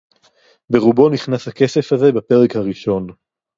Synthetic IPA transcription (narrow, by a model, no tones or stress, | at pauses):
be̞ʁubo̞niχnashake̞se̞fhaze̞bape̞ʁekhaʁiʃo̞n